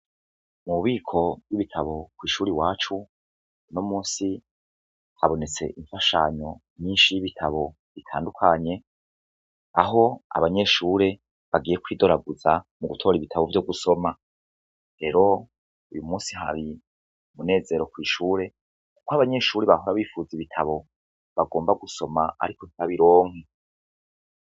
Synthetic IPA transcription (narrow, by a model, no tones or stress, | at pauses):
muβiːkʰo̞vɡiβitʰaβo̞kwiːʃuːɾiwaːt͡ʃu | nomuːsi | haβo̞ne̞t͡se̞̰ʔiɱfaʃa̰ɲo̞mɲiːnʃijiβitʰaβo̞ | βitʰa̰ːndukʰaɲe̞ | a̰ɦo̞a̰βaɲe̞ʃuːɾe̞ | βaɡiːje̞kwiːdo̞ɾaɡuzamuɡutʰo̞ːɾiβitʰaβo̞vjo̞ɡuso̞ma | ɾe̞ɾo̞ | ujumuːsiɦa̰ɾi | mune̞ːze̞ɾo̞kwiːʃuːɾe̞ | ku̥koaβaɲe̞ʃuːɾeβaɦo̞ɾaβiːfuːziβitʰaβo̞ | βaɡo̞ːmbaɡuso̞maa̰ɾiko̞n̥iβaβiɾo̞ːŋ̥he